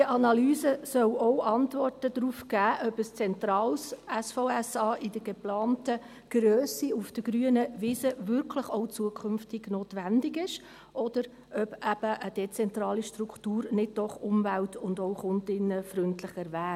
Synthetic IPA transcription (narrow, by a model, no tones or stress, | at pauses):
diəʔɑnɑlyːzəsœwɔwʔɑntvɔrtədɾufɡ̥æːʔœbəst͡sɛntɾɑːlsɛsfɔʊɛsɑːʔɪd̥əɡ̥eplɑːntə | ɡ̥ɾøːsiufd̥əɡɾyːənəvisəvʏɾkʰləχoʊt͡suəkʰʏnftɪɡnoːtʋændɪɡɪʃ | ʔɔd̥əɾ | ʔœb̥æb̥əʔəd̥ɛt͡sɛntɾɑːliʃtɾukχtuːɾnɪd̚d̥ɔχʊmvæltʰʊndoʊχʊntɪnːəfrʏntlɪχɛɾvæː